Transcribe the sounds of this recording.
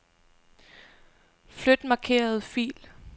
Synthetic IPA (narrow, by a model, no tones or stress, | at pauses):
flød̥mɑ̈ːkʰe̝̰ːɐð̞̩ˠfḭːl